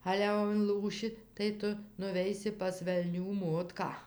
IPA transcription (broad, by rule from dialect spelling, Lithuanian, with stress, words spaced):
ˈɑːlʲɛ jɛʊ ɪnˈlˠuːʃʲɪ tɐɪ ˈtʊ nʊˈʋʲɛɪsʲɪ pɐs ʋʲɛlʲˈnʲuː ˈmoːtkɑː